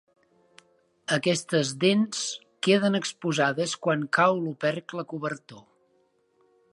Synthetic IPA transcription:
əkɛst̪əzðens | keðənəkspuzaðəskwaŋkawlupɛɾkləkuβəɾt̪o

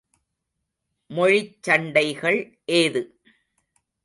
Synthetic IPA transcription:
mɔɻɪt͡ʃːɐɳɖɐɪɣɐɭ | ʔeːðɯ

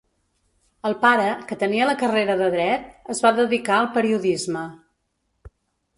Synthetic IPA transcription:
əlˠpaɾəkət̪əniələkəreɾəðəðɾɛt̪̚əzβaðəðikaəlˠpəɾiuðizmə

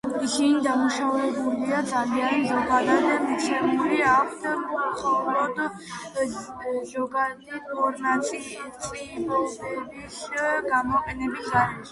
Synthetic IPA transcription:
isinid̪amuʃavɛbuliad̪zalianzɔɡad̪ad̪amit̪sʰɛbuliakʰd̪amχɔɾɔd̪ | zɔɡad̪iɔɾnat̪sʼilt̪sʼibɔlˠɔbɛbisɡamɔqʼɛnɛbisaɾ

